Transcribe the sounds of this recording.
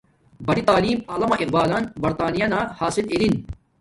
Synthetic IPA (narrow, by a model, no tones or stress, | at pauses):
bɐɽit̪aːliːmɐlɐmɐʔiqbaːlɐnbɐɾt̪aːnijɐnaːhaːsililin